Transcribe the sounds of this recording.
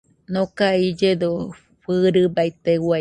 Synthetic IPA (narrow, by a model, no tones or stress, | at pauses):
nokaid͡ʒed̪o | ɸɨɾɨbajt̪ewa